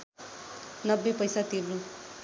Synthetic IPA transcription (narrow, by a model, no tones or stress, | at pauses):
nʌbːepʌjsat̪irnu